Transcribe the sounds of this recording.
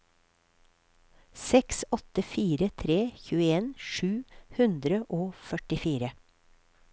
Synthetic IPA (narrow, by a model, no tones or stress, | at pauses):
sɛksɔt̪əfiːɾət̪ʰɾeːçʉːəeːnʃʉːhʉnd̪ɾəʔoːfœʈɪfiːɾə